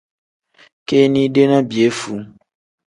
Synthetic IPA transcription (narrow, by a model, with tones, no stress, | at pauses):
ke˦nĩ˦ɖe˦nã˦bi˨e˨˦fu˨